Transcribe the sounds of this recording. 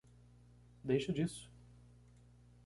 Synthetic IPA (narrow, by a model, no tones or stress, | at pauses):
d̪ejʃɐd͡ʒisʊ̥